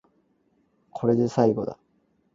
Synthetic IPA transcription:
kʰo̞ɾe̞d̪e̞saiɡo̞d̪a̰

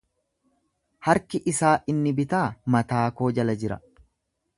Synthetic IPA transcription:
hɐɾkɪʔɪsaːʔɪnːɪbɪt̪aːmɐt̪aːko̞ːd͡ʒɐlɐd͡ʒɪɾɐ̰

